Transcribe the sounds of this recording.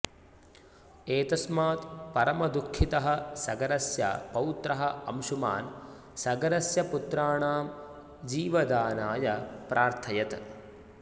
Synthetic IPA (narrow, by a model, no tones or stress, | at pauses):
eːt̪ɐsmaːt̪pɐɾɐmɐd̪ukʰːit̪ɐɦɐ̆sɐɡɐɾɐsjɐ̰pɐwut̪ɾɐɦɐɐ̰mʃuma̰ːn | sɐɡɐɾɐsjɐput̪ɾaːɳaːm | d͡ʒiːʋɐd̪aːnaːjɐpɾaːɾt̪ʰɐjɐt̪